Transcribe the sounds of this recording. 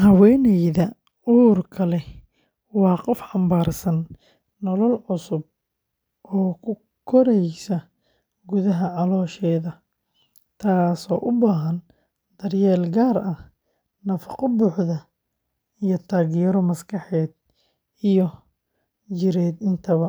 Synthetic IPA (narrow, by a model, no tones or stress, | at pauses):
hɐwɛːnɛjðɐ | urkʰɐlɛ | wɑːqɔfħɑmbaːrsɐnː | ɔlɔlʕʊsʊb̚ | ʔɔːkʰʊ | kʰɔɾɛjsɐ | ɡʊðɐɦɐʕɑlɔːʃɛːðɐ | t̪ʰaːsɔ̰ːʔʊbaːɦɐn | d̪̥ɐrjɛːlɡaːrɐh | nɐfɑqɔbʊːħðɐ | ijɔt̪ʰaːɣijɛɾɔmɐskʰɑħɛːd̪̚ | ijɔ | t͡ʃɪɾɛːd̪ɪnt̪ʰɐβɐ